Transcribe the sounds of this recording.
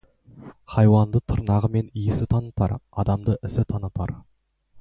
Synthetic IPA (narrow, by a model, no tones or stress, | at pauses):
χɑjwɑnd̪ət̪ʰʊɾnɑʁəme̞nijɪsɪt̪ʰɑnət̪ɑ̰ɾɑd̪ɑmd̪əʔɪsɪt̪ʰɑnət̪ɑ̰ɾ